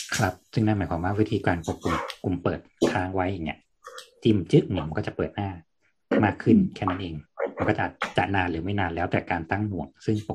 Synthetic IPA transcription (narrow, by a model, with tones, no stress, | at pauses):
kʰɾa˦˥p̚sɯ˥˩ŋnaː˥˩maː˩˦jkʰaː˧˦mwaː˥˩wi˦˥t̪ʰiː˧kaː˧npo˨˩kːu˧mku˧mpɤː˨˩t̪̚t̪ʰaː˦˥ŋwa˦˥jʔaː˨˩ŋnḭ˦˥ɐʔ | t͡ɕi˧˩m˨˩t͡ɕɯ˦˥ʔŋi˧˩ma˧nkɔ˥˩t͡ɕa˨˩pɤː˨˩t̪̚naː˥˩ | maː˥˩kʰːɯ˥˩nkʰɛː˥˩na˦˥nʔeː˧ŋma˧nkɔː˥˩t͡ɕa˨ʔːt̪t͡ɕa˨˩naː˧nlɯː˩˦ma˥˩jnaː˧nlɛː˦˥wt̪ɛː˨˩kaː˧nt̪a˥˩ŋmu˨˩əŋsɯ˥˩ŋp